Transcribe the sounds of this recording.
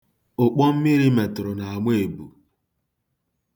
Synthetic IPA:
ʊ˨k͡pɔ˦m̩˦mi˦ɾi˦me˨tɾʊ˨na˨a˨ŋʷe˦e˨bṵ˨

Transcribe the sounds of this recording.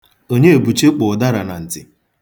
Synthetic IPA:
o˦ɲe˦e˨bu˨t͡ʃe˦k͡pʊ˨da˦ɾa˨na˨n̩˨tɪ̰˨

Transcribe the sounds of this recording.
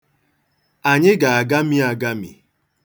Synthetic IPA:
a˨ɲɪ˦ɡa˨a˨ɡa˦mi˦a˨ɡa˦mḭ˨

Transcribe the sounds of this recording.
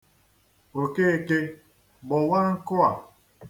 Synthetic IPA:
o˨ke˦˨ke˦ | bɔ˨wa˦ŋ̩˦ko˦a˨

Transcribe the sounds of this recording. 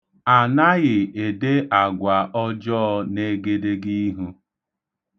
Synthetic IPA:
a˨na˦ɣɪ˨e˨de˦ʔa˨ɡʷa˨ʔɔ˦d͡ʒɔː˦ne˦ɡe˦de˦ɡi˦ɦu˦

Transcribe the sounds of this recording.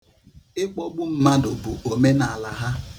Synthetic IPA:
ɪ˦k͡pɔ˦ɡ͡bʊ˦m̩˦ma˦dʊ˨bʊ˨o˨me˦na˨a˨la˨ɦa˦

